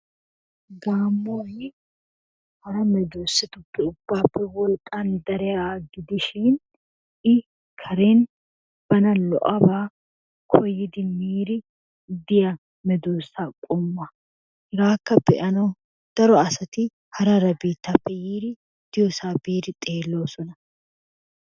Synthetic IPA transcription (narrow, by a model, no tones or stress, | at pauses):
ɡaːmːoːjɪ | hɐɾɐmɛd̪oːsːɪt̪ʊpːɛʊbːaːpːɛwɔlkʼand̪ɐɾɛjaɡɪd̪ɪʃɪn | ʔɪ | kʰɐɾeːn | b̥ɐnɐlɔ̰ʔɐbaː | kʰɔjːɪd̪ɪmiːɾɪ | d̪ɪjɐ | mɛd̪oːsːaːkʼɔmːɐ | ɡaːkːɐbɛʔɐnɐw | d̪̥ɐɾɔɐsɐt̪ɪ | hɐɾɐɾɐbiːt̪ːaːpːɛjiːɾɪ | d̪̥ɪjɔsaːbiːɾɪt̪ʼeːlːo̞ːsɔnɐ